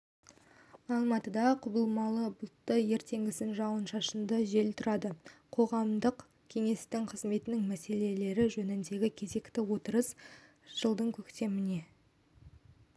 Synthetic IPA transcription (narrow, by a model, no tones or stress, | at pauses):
ɑlˠmɑt̪əd̪ɑqʰʊbəlˠmɑlˠəbʊt̪ːəje̞ɾt̪e̞ŋɡʲɪsɪnʒɑwənʃɑʃənd̪əʒe̞lt̪ʰʊɾɑd̪əqʰo̞ʁɑmd̪əq | kʲʰe̞ŋe̞st̪ɪŋqʰəzme̞t̪ɪnɪŋmæse̞le̞le̞ɾɪʒɵnɪnd̪e̞ɡʲɪkʲʰe̞ze̞kt̪ɪwo̞t̪əɾəs | ʒ̥əlˠd̪əɴkʲʰɵkt̪e̞mɪne̞